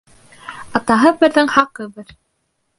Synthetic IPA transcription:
ɑt̪ɑɦɤbɘ̆ɾðɘŋhɑqɤbɤɾ

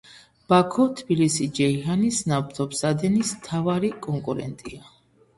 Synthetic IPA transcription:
b̥akʰɔt̪ʰbilisid͡ʒɛihanisnabt̪ʰɔpsad̪ɛnismt̪ʰavaɾikʼɔŋkʼuɾɛ̰nt̪ʼia

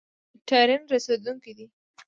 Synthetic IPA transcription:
ʈaɾɪnɾased̪uŋkid̪i

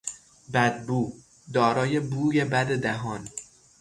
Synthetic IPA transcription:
bæd̪̚buː | d̪ɒːɾɒːje̞buːɟe̞bæd̪e̞d̪æɦɒːn

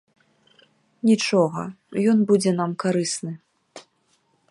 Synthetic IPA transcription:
nʲit͡ʂɔɣɐ̰ | jɔnbud͡zʲɛn̪amkaɾɨsnɨ

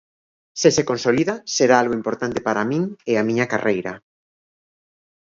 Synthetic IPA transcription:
sesekonsoliðaseɾaalɣoimpoɾt̪ant̪epaɾamĩŋeamĩɲaka̰rejɾa

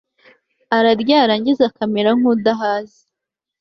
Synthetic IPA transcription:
aɾaɾɟaːɾaːɲɟizakameɾaŋ̥udaɦaːzi

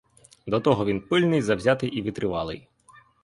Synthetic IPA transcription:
d̪ɔt̪ɔɦɔʋʲinpɪlʲnɪjzɐwzʲat̪ɪʔiʋʲid̪ɾɪʋɑlˠɪ̰j

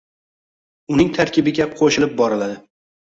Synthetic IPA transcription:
ʊnɪŋt̪ʰaɾkʲʰɪbɪɡʲaqʰoʃɪlɪp̚bɒɾɪlad̪ɪ

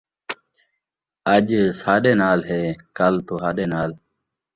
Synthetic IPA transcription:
ɐd͡ʑsaːɖeːnaːlɦeːkɐlt̪uɦaːɖeːnaːl

